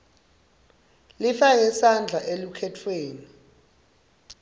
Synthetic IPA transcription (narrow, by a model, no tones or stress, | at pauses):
lifajɛsand͡ɮʱaʔelukʰɛtʰweːni